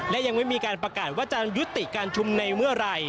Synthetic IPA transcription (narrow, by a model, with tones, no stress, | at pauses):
lɛ˦˥ʔja˧ŋma˥˩jmiː˧kaː˧npɾa˧kaː˨˩t̪̚waː˥˩t͡ɕa˨ju˦˥t̪ːi˨˩kaː˧nt͡ɕʰu˧mna˧jmɯ˥˩ɐɾa˧j